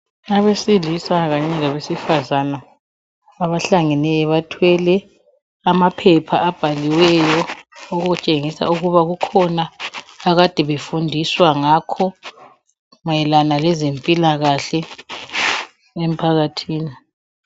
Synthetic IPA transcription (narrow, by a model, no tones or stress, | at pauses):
aβesilisaɣaɲɛlaβesifazanaː | βaɬaŋɛnɛjɔβatʰwɛlɛ | amapʰɛpʰaʔab̥ʱaliwɛjɔoɣuɣut͡ʃʼeŋisa̰uɣuβaɣukʰɔnaːɣad̥ʱɛβefundʱiswaŋakʰɔ | ŋɛlanalɛzempʼilaɣaɬɛ | em̩pʰaɣatʰiːni